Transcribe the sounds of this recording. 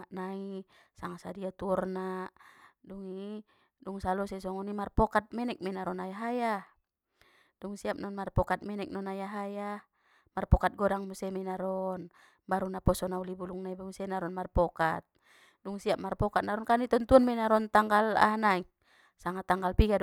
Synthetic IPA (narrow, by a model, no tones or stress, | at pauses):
aʔnaisaŋasadiat̪uɔrna | duŋi | duŋsalɔsɛsɔŋɔnimarpɔkat̪̚mɛnɛk̚mɛnaɾɔnajaɦaja | duŋsiap̚nɔnmarpɔkat̪̚mɛnɛk̚nɔnajaɦaja | marpɔkat̪̚ɡɔɾaŋmusɛmɛnaɾɔn | baɾunapɔsɔnaulibuluŋnaibumusɛnaɾɔnmarpɔkat̪̚ | duŋsiap̚marpɔkat̪̚naɾɔnkanit̪ɔnt̪uɔnmɛnaɾɔnt̪aŋɡala̰nai | saŋat̪aŋɡalpiɡad